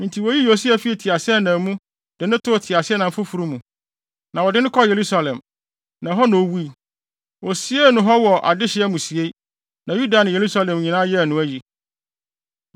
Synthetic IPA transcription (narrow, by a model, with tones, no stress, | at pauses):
ɪ̃˨ntʰi˨wɔ˨ji˦jo˨s̬i˦æ˨fi˦ɛ˨tʰi˨a˨sɪ˦ɛ˦nã˨˦mũ˦ | d̥ɪ˨nʊ̃˦tʰʊ˦˨tʰɪ˨a˨sɪ˦ɛ˦nã˨m̩˦fʊ˦fu˨ɾu˦mũ˨ | nã˨wɔ˨dɪ˦nɪ̃˦kʰɔ˦je˨ɾu˦sa˨lɛ̃˨m | nã˨ɦɔ˦nʊ̃˨o˨wu˦i˨ | wɔ˨si˨˦e˦nʊ̃˨ɦɔ˦wɔ˨ʔa̰˨dɪ˦ɕɪ˦ɛ˦mũ˨si˨e˦ | nã˨ju˦da˨nɪ̃˨je˨ɾu˦sa˦˨lɛ̃˨m˨ɲĩ˨nãː˦jɛ˦˨nʊ̃˨˦æ˦ji˨